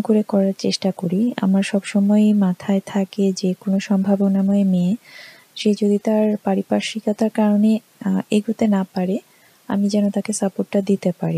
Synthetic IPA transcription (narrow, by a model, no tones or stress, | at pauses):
koɾekɔɾaɾt͡ɕeʃʈakoɾia̰maɾʃɔbʃɔmɔemat̪ʰaet̪ʰaked͡ʑekonoʃɔmbʱabonamɔeme | ʃed͡ʑod̪it̪aɾpaɾipaʃikat̪aɾkaɾone | eɡʱut̪enapaɾe | a̰mid͡ʑɛnot̪akesapoʈːad̪it̪epaɾi